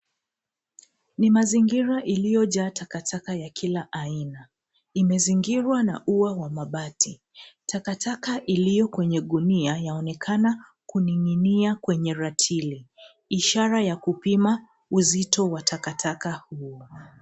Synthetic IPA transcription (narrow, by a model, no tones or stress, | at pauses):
nimaziŋɡiɾaʔilijɔʄaːtakatʰakajakʰilaʔaina | imɛziŋɡiɾwana̰ʔuwawamaɓati | tʰakatʰakaʔilijɔkwɛɲɛɠuniajaɔnɛkʰana | kunininiakwɛɲɛɾatʰili | iʃaɾajakupima | uzitɔwatʰakatʰakahuɔ